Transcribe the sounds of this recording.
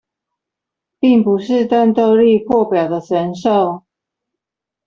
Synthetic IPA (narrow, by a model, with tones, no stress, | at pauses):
pi˥˩ŋpu˨˦ʂɻ̩˥˧t̪a˥˧nt̪o˥˧ʊli˥˧pʰwɔ˥˨pjɑ˨˩ʊd̪ə˦ʈ͡ʂə˨˦nʂo˥˨ʊ